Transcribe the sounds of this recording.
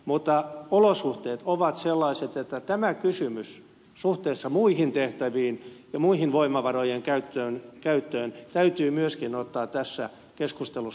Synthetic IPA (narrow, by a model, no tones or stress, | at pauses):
mut̪ːɑolosuht̪eːt̪oʋɑt̪selːɑiset̪et̪ːæt̪æmækysymys | suht̪eːsːɑmuihint̪eht̪æʋiːnjɑmuihinʋoimɑʋɑrojeŋkæyt̪ːøːnkæyt̪ːøːnt̪æyt̪yːmyøskinot̪ːɑːt̪t̪ːæsːæ̰ | keskust̪elu